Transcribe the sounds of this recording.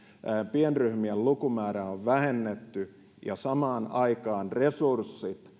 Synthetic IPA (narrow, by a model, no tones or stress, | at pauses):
pienryhmiellukumæːɾæoʋʋæhenːet̪ːy | jɑ̰sɑmɑːnɑikɑːnresursːit̪